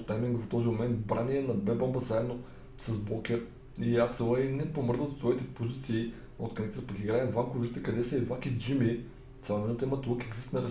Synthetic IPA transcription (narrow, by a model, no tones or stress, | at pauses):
st̪amĩŋɡft̪ɔzimomɛnt̪̚bɾaniɛnɐbɛbɔmbəzaɛd̪no | sɐsblˠɔkʲɛɾ | iat̪sɛlˠəinɛpomɤɾd̪əssvɔit̪ɛpozit̪siː | o̰t̪kɾɐnit̪t̪əpəkʲiɡɾaɛvamkʊviʒit̪ɛkɐd̪ɛsɛːd̪vakʲid͡ʒimi | t̪sʲalˠomɛnut̪imɐt̪lˠkɛɡzist̪nɾɐ